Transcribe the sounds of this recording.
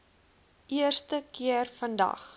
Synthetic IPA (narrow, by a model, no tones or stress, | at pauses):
ʔiərstəkiərfəndɐ̰χ